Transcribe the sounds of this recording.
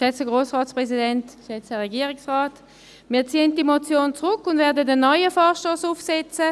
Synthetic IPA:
ʃɛt͡səɡʁoːsʁɑːtspʁɛsidɛntʃɛt͡səʁɛɡiːəʁɪksʁaːt | miːɐt͡siːəntdimot͡sjoːnt͡sʁʊkːʊndvɛːɐdədənːɔʏəfɔːʃtoːsufsɛt͡sə

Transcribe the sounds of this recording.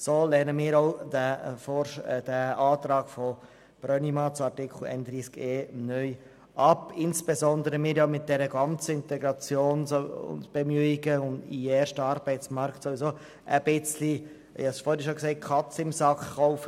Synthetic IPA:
soːlɛnəmiːɾɔʊdæfɔd̥əɑːt̪ɾɑːɡ̥fɔ | b̥rœnimɑt͡sɑtɪkʰl̩ɛ̰ɪnd̥̪ɾiːskeːnœj | ʔɑpɪnsb̥ezɔnd̪əɾəmɪːɾjamɪt̚d̥ɛɾəɡɑnt͡səɪntɛɡɾɑt͡sjoːnsoʊ̰ndb̥ɛmyiɡəʊndḭɛːɾʃtəɑɾbɛɪtt͡smɑɾktsovisoː | ʔəb̥ɪt͡sli | ḭhɑsfoːɾəʃoksɛɪt̚kʰɑt͡sɪmsɑkχːɔʊfə

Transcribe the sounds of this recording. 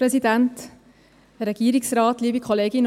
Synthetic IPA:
pɾɛsidænt | əɾɛɡ̥iːɾɪksɾɑːt̪liːbikʰɔleːɡin

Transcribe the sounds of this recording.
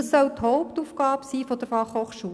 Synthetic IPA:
sːœwt̪hɔʊpt̪uːfɡ̥ɑːbsiːfɔd̪əɾfɑχhoːχʃuː

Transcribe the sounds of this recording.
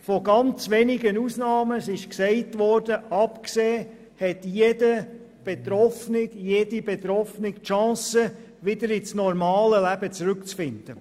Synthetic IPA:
fɔɡɑnt͡sʋɛnɪɡənusnɑːməsɪʃksɛɪtʋɔːɾd̥əɑpkseː | hɛtjedə | b̥et̪ɾɔfnɪkjedibɛt̪ɾɔfnɪktʃɑ̃ːsə | ʋɪd̪əɾɪsnɔɾmɑːləlæb̥ət͡sɾʉkt͡sfɪnd̪̥ə

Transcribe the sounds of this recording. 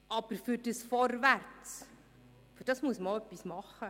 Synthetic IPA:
ʔɑb̥əɾfʏɾd̥əsfɔrvært͡s | fyɾd̥ɑsmuəsməoœpːismɑχːə

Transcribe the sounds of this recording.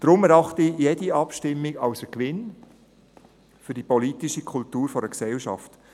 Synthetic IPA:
d̥ɾʊmɛɾɑχtijɛdiɑpʃtɪmːiɡɑʊsəkʋɪn | fʏɾdipɔlitiʃikʰʊltuːɾfɔɾəksɛlʃɑ̰ft

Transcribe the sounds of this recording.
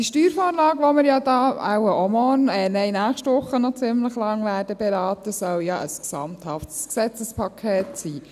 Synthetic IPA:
d̥iʃtyːɾfɔːɾlɑːɡʋɔmɪɾjɑd̥ɑːa̰wəʔɔmɔːnɛːnɛɪnæːχʃtʋʊχːənɔt͡sɪmləχlɑŋʋæːɾdəbɛɾɑːt̪əsœljɑʔə̰sksɑ̰mt̪hɑftsksɛt͡səspʰɑkʰːeːtsiː

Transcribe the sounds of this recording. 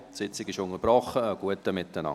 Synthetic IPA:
tsɪt͡sɪɡɪʃʊŋəɾb̥ɾɔχəːɡ̥uətəmɪtːənɑ̰

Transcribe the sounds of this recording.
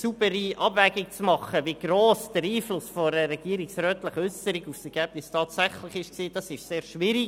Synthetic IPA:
sub̥əɾiɑbvɛɡɪk̚t͡smɑχəʋiɡ̥roːsd̥əɾiːflʊsfɔɾəɾɛɡ̥iəɾiksɾœːtləχʏsəɾiɡufsɛɾɡ̥æb̥nɪstʰɑːtsæχləχɪʃksiːd̥ɑsɪʃseːɾʃʋɪɾi

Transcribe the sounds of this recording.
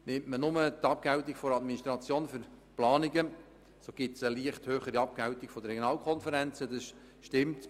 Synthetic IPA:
nɪmtmənʊmət̪ɑp̚kæwtiɡ̥fɔɾɑd̪miniʃtɾɑt͡sjoːnfʏɾplɑːniɡə | soːɡ̥ɪtsəliəχthøːχəɾiɑp̚kæwtiɡ̥fɔd̪əɾɛɡjonɑːlkʰɔnfəɾɛnt͡səd̥ɑs | ʃtɪmt

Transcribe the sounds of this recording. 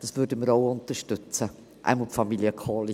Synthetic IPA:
d̥ɑsvʏːɾdəməɾoʊʊntəʃtʏt͡sə | ʔa̰ɪmɔlfɑmiljəkʰɔːli

